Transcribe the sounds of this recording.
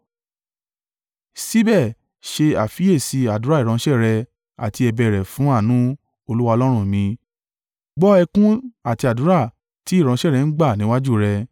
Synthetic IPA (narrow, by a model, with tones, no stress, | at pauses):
si˦bɛ˦˨ | ʃe˧a˨fi˨˦e˦˨si˧a˨du˨˦ɾa˦˨i˨ɾ̃ɔ̃˧˦ʃɛ˦˨ɾɛ˧ | a̰˨ti˧ɛ˧bɛ˧˨ɾɛ˨fũ˨˦a˦˨nũ˦ | o˧lu˦wa˧o˧lɔ˦ɾ̃ũ˦mĩ˧ | ɡ͡bɔ˦ɛ˧kũ˦a˦˨ti˧a˨du˨˦ɾa˦˨ | ti˦i˦˨ɾ̃ɔ̃˧˦ʃɛ˦˨ɾɛ˨˧n̩˦ɡ͡ba˦˨nĩ˨˦wa˦d͡ʒu˦˨ɾɛ˧